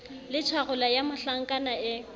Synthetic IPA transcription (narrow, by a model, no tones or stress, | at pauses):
lɪt͡ʃʰaɣʊlajamʊɬaŋ̩kʼanaɪ